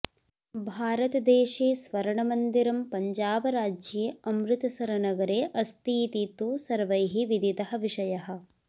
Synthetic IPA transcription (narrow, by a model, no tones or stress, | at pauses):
bʱaːɾɐt̪ɐd̪eːʃeːsʋɐɾɐɳɐmɐnd̪iɾɐmpɐɲd͡ʒaːbɐɾaːd͡ʒjeːɐmɾɪt̪ɐsɐɾɐnɐɡɐɾeːʔɐst̪iːt̪iːt̪uːsɐɾʋɐjɦiʋid̪it̪ɐɦɐʋiʂɐjɐɦɐ̆